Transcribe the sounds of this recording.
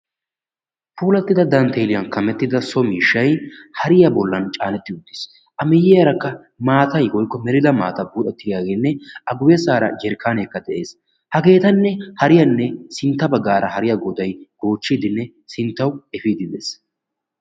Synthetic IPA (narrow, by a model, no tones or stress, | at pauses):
puːlɐt̪ːɪd̪ɐd̪ɐnt̪ʰeːlɪjɐnkɐmɛt̪ːɪd̪ɐsɔmiːʃːɐjhɐɾɪjɐbɔlːɐnt͡ʃʼaːnɛt̪ːɪʊd̪ːɪ̥s | ʔɐmɪjːɛɐɾɐkːɐ | maːt̪ɐjwɔjkːɔmɛɾɪd̪ɐma̰ːt̪ɐbuːᶑɛt̪ːɪd̪ɪjaːɡeːnːɛʔɐɡʊwɛsaːɾɐ̰d͡ʒɛɾkʰːaːnekːɐd̪ɛʔe̞ːs | hɐɡe̞ːt̪ɐnːɛhɐɾɪjɐnːɛsɪnt̪ːɐbɐɡːaːɾʔɐhɐɾɪjɐɡɔd̪ɐjɡ̥o̞ːt͡ʃːid̪ɪnːɛ | sɪnt̪ːɐwɛfiːd̪ɪneːs